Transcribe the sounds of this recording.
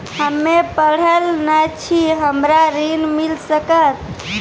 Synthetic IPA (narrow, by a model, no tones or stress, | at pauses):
həmːepəɽ̤əlnət͡ʃʰiɦəmɾaɾinmilsəkət̪̚